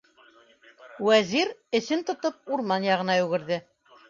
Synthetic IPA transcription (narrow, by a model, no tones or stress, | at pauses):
wæziɾɘ̆sɘnt̪ŏt̪ɤp̚uɾmɑnjɑʁɤ̆nɑjʉɡɘ̆ɾðɘ